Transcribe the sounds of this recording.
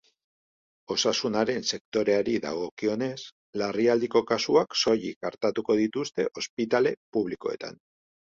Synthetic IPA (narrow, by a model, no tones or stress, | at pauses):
o̞sasunaɾe̞nse̞kt̪o̞ɾe̞aɾiða̰ɣ̞o̞kio̞ne̞s | lariald̪iko̞kasuakso̞ʎikaɾt̪at̪uko̞ð̞it̪ust̪e̞ʔo̞spit̪ale̞puβliko̞̰e̞̰t̪a̰n